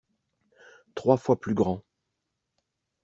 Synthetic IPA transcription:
t̪χwafwaplyɡʁɑ̃

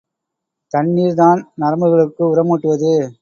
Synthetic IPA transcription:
t̪ɐɳːiːɾðaːnnɐɾɐmɯɣɐɭɯkːɯʊɾɐmuːʈːɯʋɐðɯ

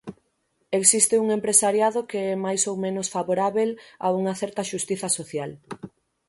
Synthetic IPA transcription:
eksist̪ɪuŋempɾesaɾjaðokeɛmajsowmẽnosfaβoɾaβela̰uŋɐθɛɾt̪ɐʃust̪iθɐsoθjal

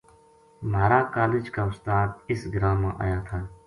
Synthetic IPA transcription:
maːɾaːkaːlɪd͡ʒkaːʊst̪aːd̪ɪsɡɾaːmãʔa̰ːjaːt̪ʰaː

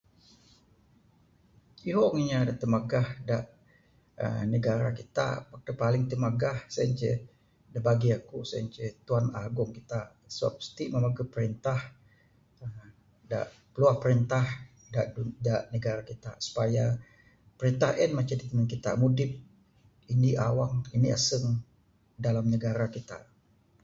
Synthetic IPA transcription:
iɾɔŋiɲadat̪əmaɡahda̰ʔ | ə̰nəɡaɾakit̪a̰pak̚t̪upalɪŋt̪əmaɡahsant͡ʃɛ̰ | dabaɡiakusant͡ʃɛt̪uanaɡʊŋkit̪a | səwa̰p̚st̪iʔmamaɡupəɾint̪ah | ə | da̰ʔ | pəluahpəɾint̪ah | daʔudaʔnəɡaɾakit̪a̰su̥paja | pəɾint̪ahʔɛnmat͡ʃadit̪əmənkit̪a̰mudɪp̚ | iniʔawaŋinia̰səŋ | dalamnəɡaɾakit̪a̰ʔ

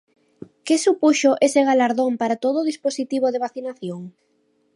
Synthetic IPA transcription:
kɪsupuʃoʔeseɣ̞alaɾðompaɾat̪oð̞oːðisposit̪iβ̞oð̞eβ̞aθinaθjoŋ

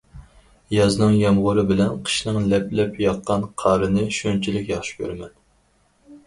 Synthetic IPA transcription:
jɑznɨŋjɑmʁʊɾɨbɪlɛnqʰə̥ʃnɨŋlɛplɛpjɑqːɑnqʰɑːɾɨnɨʃønt͡ʃʰilɪkʲjɑχʃi̥kʲʰø̰ɾmɛn

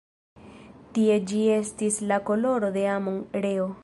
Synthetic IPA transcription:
tie̞d͡ʒie̞stislako̞lo̞ɾo̞d̪e̞amoŋɾe̞o̞

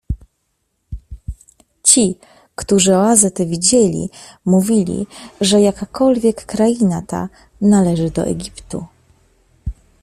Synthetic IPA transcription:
t͡ɕi | kt̪uʐɘɔazɛt̪ɛvʲid͡ʑelʲḭmuvʲilʲḭʐɛjakakɔlvʲjɛkːɾajinat̪a̰ | nalɛʐɘd̪ɔ̰ʔɛ̰ɡʲipt̪ṵ

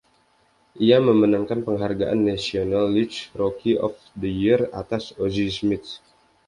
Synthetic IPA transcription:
ʔiaməmənaŋkanpəŋɦarɡaʔanːasionalːit͡ʃɾokiʔɔ̰f | dəjira̰t̪asozismit̪

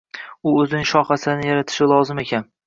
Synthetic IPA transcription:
ʊɵzɪnɪŋʃɒχasɪnɪjaɾat̪ʰɪ̥ʃɪlˠɒzɪme̞kʲʰan

